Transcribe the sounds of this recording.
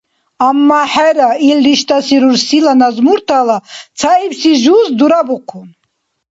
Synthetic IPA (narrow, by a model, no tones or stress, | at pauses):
amːaħɛɾailːiʃt̪ʼasiɾuɾsilanazmuɾt̪ʰalat͡sʰaipsiʒuːsd̪uɾabuqʰun